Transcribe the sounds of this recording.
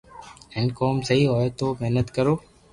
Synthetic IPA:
ɛ̃nkoːmsəɦiːɦoːet̪oːmeɦnət̪kəɾoː

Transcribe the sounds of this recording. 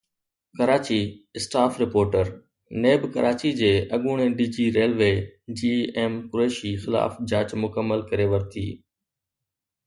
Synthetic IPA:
kɐɾaːt͡ɕiɪsʈaːfɾɪpoːɾʈəɾ | neːbkɐɾʔaːt͡ɕid͡ʑeːʔɐɠuːɽ̃eɖiːd͡ʑiːɾeːlʋeːd͡ʑiːeːmkʊɾeːʃixɪla̰ːfd͡ʑaːt͡ɕmʊkəmːəlkɐɾeʋɐɾt̪ʰḭː

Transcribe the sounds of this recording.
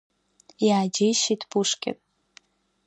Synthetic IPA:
jaːd͡ʒejʃitʰbuʂkʲʼɪ̰tʼ

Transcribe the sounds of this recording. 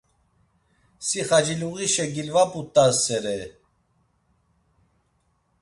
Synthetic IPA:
siχad͡ʒiluɣiʃɛɡilvapʼut̪ʼːasɛɾɛ

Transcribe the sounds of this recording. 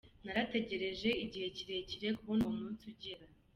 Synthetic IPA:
naɾate̞ɟe̞ɾe̞ʒe̞iɟihe̞ciɾe̞ciɾe̞kuβonomuːnsuɟiɾa

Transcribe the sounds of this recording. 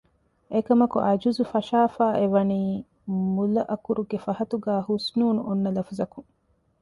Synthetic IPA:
ekɐmɐkṵʔɐd͡ʒuzufɐʃaːfaːʔeʋɐniː | mulɐʔɐkuɾuɡefɐɦɐt̪uɡæːhusnuːnuʔonːɐlɐfɐzɐkuŋ

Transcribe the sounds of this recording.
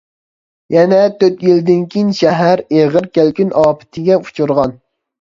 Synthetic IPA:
jɛnɛt̪ʰøt̪jild̪ɪnkʲʰijinʃɛɦæɾeʁəɾkʲælkʲynʔɑːpʰɪ̥t̪ʰɪɡʲɛu̥t͡ʃʰuɾʁɑn

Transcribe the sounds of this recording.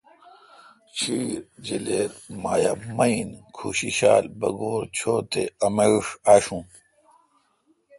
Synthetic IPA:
t͡ɕʰiːɾd͡ʑileːt̪maːjamɐinkʰuːɕiɕaːlbɐ̰ɡoːɾt͡ɕʰoːt̪eɐmeɻʂaːɕũː

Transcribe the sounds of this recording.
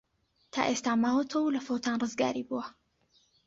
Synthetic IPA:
t̪ʰa̰ːʔeːst̪aːmaːwɐt̪ʰɐwlɐfowt̪ʰaːnrɨzɡa̰ːɾibuwɐ

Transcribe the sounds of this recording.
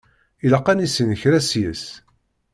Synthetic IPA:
ilɑqːænisənəçɾæsjəs

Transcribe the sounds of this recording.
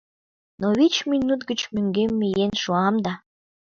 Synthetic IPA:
noβit͡ɕminut̪ɡət͡ɕmøŋɡemːijenʃuɑmd̪ɑ

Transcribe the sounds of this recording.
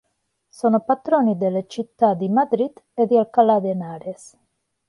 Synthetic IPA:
soːnopat̪ɾoːnid̪elːet͡ʃit̪ːad̪imad̪ɾid̪ed̪ialkalad̪enaːɾes

